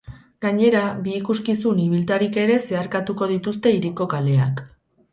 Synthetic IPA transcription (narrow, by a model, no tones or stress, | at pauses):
ɡ̥aɲe̞ɾabiːkuskisuniβilt̪aɾike̞ɾe̞se̞aɾkat̪uko̞ð̞it̪ust̪e̞iɾiko̞kale̞a̰k